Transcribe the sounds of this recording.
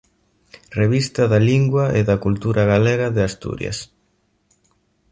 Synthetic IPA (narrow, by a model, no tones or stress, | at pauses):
reβist̪ɐðaliŋɡwɐeðakult̪uɾʔaɣ̞alɛɣaðɪast̪ṵɾj̰a̰s